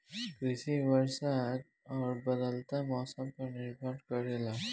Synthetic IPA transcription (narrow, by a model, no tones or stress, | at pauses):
kɾɪsiʋəɾsad̪ | ɔːɾbəd̪əlt̪amɔːsəmpəɾnɪɾbʱəɖkəɾela